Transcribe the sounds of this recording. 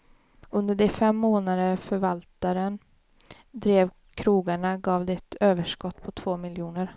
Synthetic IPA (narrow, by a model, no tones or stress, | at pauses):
ɵnd̪əɖɛfɛmːoːnad̪əfœɾvalt̪aɾən | d̪ɾeːv | kʰɾuːɡaɳaɡɑːvd̪ɛt̪ʰøːvəʂkɔt̪ːpʰɔt̪ʰv̥oːmɪljuːnəɾ